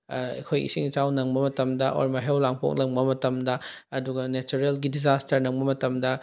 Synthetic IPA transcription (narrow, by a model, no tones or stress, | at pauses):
ɐ̰kʰojḭsiŋt͡ʃawnɐŋbɐmɐtɐmdɐʔo̰ɾmɐɦewlaŋpo̰k̚lɐŋbɐmɐtɐmdɐː | duɡɐnet͡ʃuɾelɡidizastʰɐɾnɐŋbɐmɐtɐmdɐ